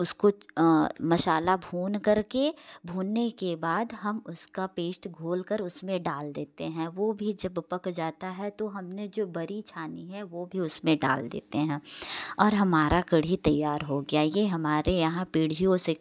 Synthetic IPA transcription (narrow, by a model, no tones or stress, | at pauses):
ʊsko | mɐʃaːlabʱuːnkɐɾkebʱuːnːekebaːd̪ɦɐmʊskapeːsʈɡʱoːlkəɾʊsmẽɖaːld̪eːt̪eɦɛ̃ʋoːbʱid͡ʒɐbpɐkd͡ʒaːt̪aɦɛt̪oɦɐmned͡ʒoːbɐɾit͡ʃʰaːniɦɛʋoːbʱiʊsmẽɖa̰ːld̪ḛːt̪eɦɛ̃ːɔːɾɦɐmaːɾakɐɽ̤it̪ɐjːaːɾɦoɡɐjajeɦɐmaːɾejɐɦãpiːɽ̤ijõse